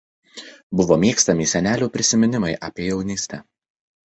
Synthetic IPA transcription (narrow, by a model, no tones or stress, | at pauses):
bʊʋoːmʲiːkst̪ɐmʲɪsʲɛnʲæːlʲuːpʲɾʲɪsʲɪmʲɪnʲɪmɐɪʔɐːpʲeːjɛʊnʲiːsʲt̪ʲɛ